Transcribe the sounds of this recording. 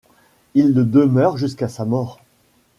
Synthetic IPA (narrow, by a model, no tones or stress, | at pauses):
ilːəd̪əmœʁʒyskasamɔʁ